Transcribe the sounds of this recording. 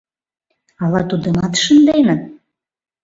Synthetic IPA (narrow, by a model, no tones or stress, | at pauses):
ɑlɑt̪ud̪ə̆mɑt̪ʃənd̪enə̆